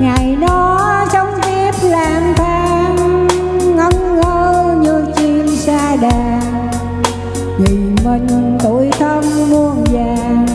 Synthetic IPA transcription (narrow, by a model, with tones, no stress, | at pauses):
ŋa˨˩jɗɔ˨˦t͡ɕɔ˧wŋ͡mt̪i˦˥əp̚laː˨˩mfʰaː˨˧˦m | ŋə˨˧˦wŋ͡mŋəː˧ɲɨ˧t͡ɕi˧msaː˧ɗaː˨˩ | ŋi˨˩mi˧˩ŋ̟t̪o˧˩jt̪ʰə˧mmu˧əŋzaː˨˩ŋ